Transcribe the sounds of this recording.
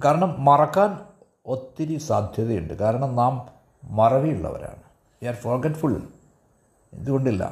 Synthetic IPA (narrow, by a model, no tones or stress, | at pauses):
kaːɾɐɳɐmːɐrɐkːaːn | o̞t̪ːiɾisaːd̪ʱjɐðɐjuɳɖɨkaːɾɐɳɐmnaːmː | ɐrɐʋijuɭːɐ̰ʋɐ̰ɾa̰ːɳɨ | ʋiaːrfɐrɡeʈfuɭ | e̞̰nd̪uɣo̞ɳɖilːɐ̰